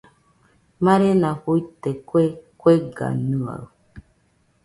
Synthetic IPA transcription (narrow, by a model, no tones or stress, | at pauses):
mãɾenãhuit̪ekekweɡa̰nua̰